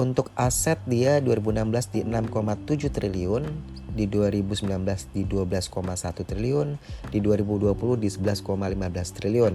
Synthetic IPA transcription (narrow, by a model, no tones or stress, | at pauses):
unt̪ʊk̚asɛt̪̚diaduaɾibuənambəlasdiənamkomat̪ud͡ʒuht̪ɾiliɔn | diduaɾibusəmbilanbəlasdiduabəlaskomasat̪ut̪ɾiliʊndiduaɾibuduapuluhdisəbəlaskomalimabəlast̪ɾiliɔn